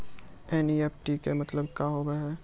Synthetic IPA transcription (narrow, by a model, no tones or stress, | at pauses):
ɛːniɛːp̚ʈikemɐt̪ləb̚kaɦoːbeɦɛː